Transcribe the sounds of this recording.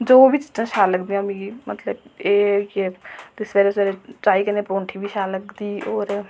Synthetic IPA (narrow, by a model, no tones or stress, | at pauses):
d͡ʒobʱit͡ʃɪ̥t̪ãʃʰaləɡd̪ĩɐmikimɐt̪ləbeket̪ɪsʋeɾeseɾet͡ʃaːikenepɾõːɳʈʰibʱiʃʰaləɡd̪iɔːɾ